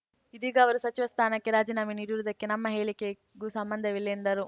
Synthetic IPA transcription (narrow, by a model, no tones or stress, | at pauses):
id̪iːɡɐːʋɐɾusɐt͡ʃiʋɐst̪ʰaːnɐkːeɾaːd͡ʒiːnaːminiːɽuɾud̪ɐkːe̞nɐmːɐɦe̞ːɭike | ɡusɐmbɐnd̪ʱɐʋilːend̪ɐɾu